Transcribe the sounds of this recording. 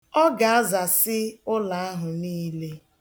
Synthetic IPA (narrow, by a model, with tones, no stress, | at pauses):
ɔ˦ɡa˨a˦za˨sɪ˦ʊ˦la˨a˦ɦʊ˨niː˦le˦